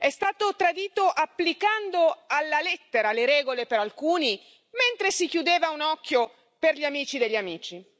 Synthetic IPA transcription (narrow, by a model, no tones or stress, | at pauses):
ɛst̪aːt̪ot̪ɾad̪iːt̪oʔapːlikand̪oalːalɛt̪ːeɾaleɾɛːɡolepeɾalkuːni | ment̪ɾesikjud̪eːvaunɔkːjo | perʎiamiːt͡ʃid̪eʎːamiːt͡ʃi